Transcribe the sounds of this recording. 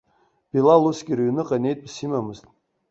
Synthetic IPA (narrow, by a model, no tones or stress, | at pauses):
b̥ilalusɡʲiɾɥnɨqʼane̞jt̚ʼpsimamɨztʼ